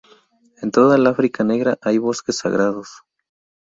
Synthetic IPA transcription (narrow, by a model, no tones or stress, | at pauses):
e̞nt̪o̞ðalafɾikane̞ɣɾaʔajβo̞ske̞sːa̰ɣɾaðo̞s